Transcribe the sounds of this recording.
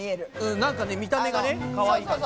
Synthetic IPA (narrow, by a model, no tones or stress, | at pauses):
eɯ̟̃ːnãŋkane̞mʲit̪ame̞ɡane̞kaβaiːk